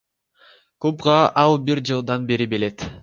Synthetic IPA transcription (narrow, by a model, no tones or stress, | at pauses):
kupʁɑʔɑlˠbiɾd͡ʒɯlˠd̪ɑnbeɾibele̞t̪